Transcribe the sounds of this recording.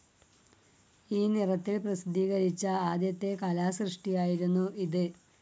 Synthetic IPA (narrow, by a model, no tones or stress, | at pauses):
iːnirɐt̪ːilprɐsid̪ʱiːɣɐɾit͡ɕːɐaːd̪jɐt̪ːe̞kɐlaːsrɨʂʈijaːjiɾunːuʔiðɨ